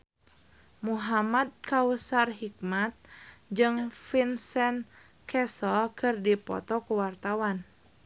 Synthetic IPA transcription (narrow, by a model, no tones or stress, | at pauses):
muɦamad̪̚kausarɦik̚mat̪̚d͡ʒɨŋfinsɛn | kʰɛsɔlkɨrdipɔ̰t̪ɔkuwart̪awan